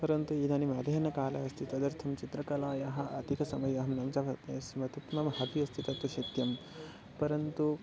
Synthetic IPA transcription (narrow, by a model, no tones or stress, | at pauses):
pɐɾɐnt̪uiːd̪ʱɐnimaːd̪ʱɐːnɐkaːlɐɐst̪ʰit̪ɐd̪ɐɾt̪ʰɐmt͡ʃit̪ɾɐkɐlaːjɐɦɐ̆ʔɐt̪ikɐsɐmɐjɐɦɐmnɐmt͡ʃɐsmɐt̪ut̪mɐmɦɐt̪iɐst̪ʰit̪ɐt̪ɐʃɐt̪jɐm | pɐɾɐnt̪u